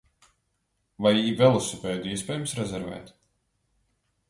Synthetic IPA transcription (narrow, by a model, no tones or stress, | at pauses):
vajiːvɛlˠusupɛːd̪iɛspɛːjumsɾɛzɛɾvɛ̰ːt̪